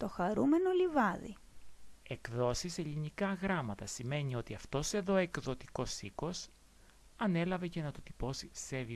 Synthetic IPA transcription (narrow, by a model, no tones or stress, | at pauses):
t̪o̞xɐɾume̞no̞livɐðḭ | e̞kðo̞sise̞ʎinikɐɣɾɐmɐt̪ɐsime̞nio̞t̪iɐft̪o̞se̞ðo̞e̞kðo̞t̪i̥ko̞siko̞s | ɐne̞lɐve̞ce̞nɐt̪ot̪i̥po̞sisevi